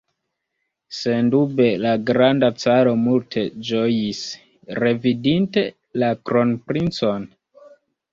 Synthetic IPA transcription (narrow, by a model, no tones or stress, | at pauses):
se̞ndube̞laɡɾandat͡saɾo̞multʰe̞d͡ʒojis | re̞vidinte̞ | lakɾo̞npɾint͡so̞n